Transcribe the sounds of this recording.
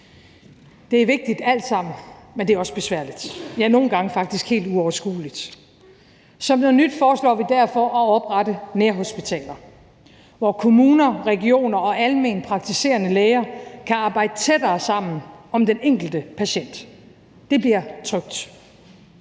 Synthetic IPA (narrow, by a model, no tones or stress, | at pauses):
d̥e̝æɐʋe̝ɡ̥̚d̥id̥æl̰d̥sɑ̈m̰n̩ | mend̥e̝æɐɒ̽sb̥e̝sʋæɐ̰lid̥jɑɐno̝ːn̩ɡ̥ɑ̈ŋəfɑ̈ɡ̥d̥isɡ̥he̝̰ːld̥uɒʊɐsɡ̥ṵːlid̥ | sɒ̽mnonyd̥fɒːslɒ̰ːʋid̥æɐfɒʔɒɒ̽b̥ʁɑd̥əneɐɦo̝sb̥it͡sʰɛ̰ːlɐ | ʋɒkʰo̝muːnɐʁɛɡio̝̰ːnɐɒ̽ʔælme̝̰ːnpʰʁɑ̈ɡ̥̚t͡sʰise̝̰ːɐnəleːɪɐkʰæɑ̈ːb̥ɑ̈ɪ̰d̥ət͡sʰed̥ɐːsɑ̈m̰n̩ɒ̽md̥eneŋ̰ɡ̥l̩d̥əpʰæɕen̰d̥ː | e̝b̥liɐ̰t͡sʰʁœɡ̥̚d̥